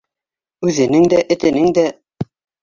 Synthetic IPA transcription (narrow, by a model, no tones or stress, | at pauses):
ʉðɘ̆nɘŋd̪æʔɘ̆t̪ɘ̆nɘŋd̪æ